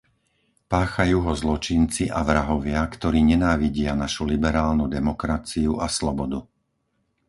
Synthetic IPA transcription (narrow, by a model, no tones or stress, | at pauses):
paːxajuːɦɔzlɔt͡ʃint͡siʔaʋɾaɦɔʋɪakt̪ɔɾiːɲɛnaːʋiɟɪanaʃulibɛɾaːlnud̪ɛmɔkɾat͡siuʔaslɔbɔd̪u